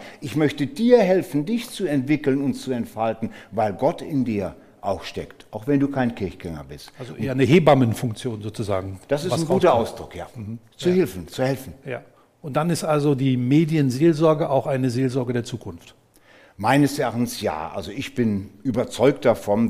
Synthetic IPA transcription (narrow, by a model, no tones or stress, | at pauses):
ʔɪçmœçtədiːɐɦɛlfn̩dɪçt͡suɛntv̥ɪkl̩nʊntt͡suɛntfaltn̩vaɪlɡɔtɪndiːɐ | ʔaʊxʃtɛ̰ktʔaʊxv̥ɛnduːkʰaɪnkʰɪɐçɡ̥ɛŋɐ̰bɪstalzoʔeːɐnəheːbamənfʊŋk̚t͡sjoːnzoːt͡suzaːɡŋ̩d̥asɪsnɡuːtɐʔaʊsd̥ʁʊkja̰ː | t͡suhɪlfn̩t͡suhɛlfn̩jaː | ʔʊnt̚d̥anɪstʔalzodiːmeːdjənzeːlzɔɐɡəʔaʊxaɪnəzeːlzɔɐɡədeːɐt͡suːkʰʊnft | maɪnəsɛɐʔaːxtn̩sja̰ːʔa̰lzoɪçb̥ɪnʔyːbɐt͡sɔʏk̚t̚d̥afɔn